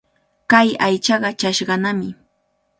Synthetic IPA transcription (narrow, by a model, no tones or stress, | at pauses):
kajajt͡ʃɑɢɑt͡ʃaʃɢɑnamɪ